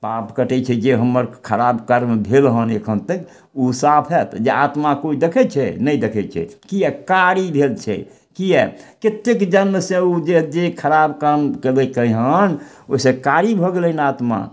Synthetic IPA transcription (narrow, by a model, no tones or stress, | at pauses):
papkəʈɛt͡ʃʰɛd͡ʒeɦəmːəɾkʰəɾabkəɾmbʱelɦənekʰənt̪ək | usapʰɦɛt̪d͡ʒeat̪makoid̪ekʰɛt͡ʃʰɛ̰nəid̪ekʰɛt͡ʃʰɛ̰kiɛkaɾibʱelt͡ʃʰɛ̰ | kijɛket̪ːekd͡ʒənmsẽud͡ʒed͡ʒekʰəɾabkamkeləkəɦən | oisẽkaɾibʱɔɡelənat̪ma̰